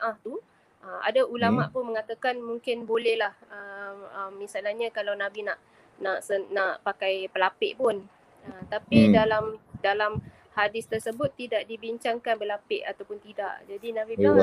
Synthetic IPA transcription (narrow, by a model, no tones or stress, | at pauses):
ʔãht̪u | ʔəma̰daulamaʔpʊnmə̃ŋat̪akanmũŋkɪnbolɛhlahəəmːisalahɲãkalawnãbinaʔ | naʔsənaʔpakajpəlapɪʔpʊn | əmt̪apidalamdalam | hadɪst̪ərsəbʊt̪ːidaʔdibiɲt͡ʃaŋkanbəlapɪʔat̪awpʊnt̪ida̰ʔd͡ʒadinãbia